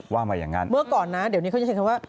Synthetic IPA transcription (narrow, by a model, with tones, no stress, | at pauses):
waː˥˩maː˧ja̰ː˨˩ŋːa˦˥nmɯ˥˩ɐəkɔː˨˩nːa˦˥di˨˩˦wn˦˥kʰa˧˥˩kʰa˧waː˥˩